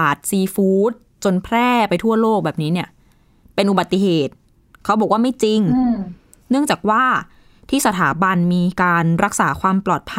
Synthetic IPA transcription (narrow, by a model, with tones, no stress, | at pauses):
t̪̚siː˧fuː˦˥t̪̚ | t͡ɕo˧npʰɾɛː˥˩pa˧jt̪ʰu˥˩ɐloː˥˩k̚bɛː˨˩p̚niː˦˥ni˥˩ɐ | pe˧nʔu˨ba˨˩t̪ːi˧˩ɦeː˨˩t̪̚ | kʰa˦˥bɔː˨˩kwaː˥˩ma˥˩jt͡ɕi˧ŋ | nɯ˥˩əŋt͡ɕaː˨˩k̚waː˥˩ | t̪ʰiː˥˩sa˧t̪ʰaː˩˦ba˧nmiː˧kaː˧nɾa˦˥k̚saː˩˦kʰwaː˧mplɔː˨˩t̪̚pʰ